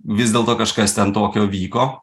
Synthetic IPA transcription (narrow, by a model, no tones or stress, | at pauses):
ʋʲɪsʲd̪ʲeːlˠt̪oːkɐʃkɐst̪ʲɛnt̪oːkʲoːʋʲiːkoː